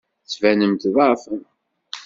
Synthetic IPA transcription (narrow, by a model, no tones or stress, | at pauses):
θvænəmt̪ðˤɑfən